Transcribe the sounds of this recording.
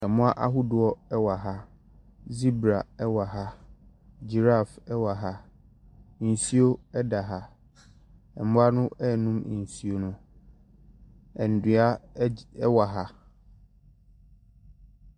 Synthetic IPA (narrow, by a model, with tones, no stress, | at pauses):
ɛ˨mʊ̃˦a˦ʔa̰˦ɦʊ˦dʊ˨ɔ˦ɛ˦wa˨ɦa˦ | zi˦bɾa˨ɛ˦wa˨ɦa˦ | d͡ʑi˨ɾa˦˨fɛ˦wa˨ɦa˦˨ | n̩˨si˦o˦ɛ˦da˨ɦa˦ | ɛ̰˨mʊ̃˦a˦nʊ̃˦ɛ˦˨nũ˦m˨n̩˨si˦o˦nʊ̃˦ | ɛ˨n̩˨du˨a˦ɛ˦wa˨ɦa˦